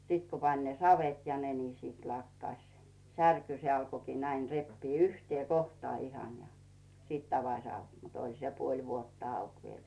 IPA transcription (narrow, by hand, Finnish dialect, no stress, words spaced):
sit ku pɑnʲ sɑʋet jɑ ne ni sit lɑkːɑsʲ særky se ɑlko næin repːiː yhtĭeˑ kohtŏɑˑ ihɑn jɑ siˑt ɑʋɑsʲ ɑuk mut olʲ se puolʲ ʋuotːɑ ɑuk ʋiel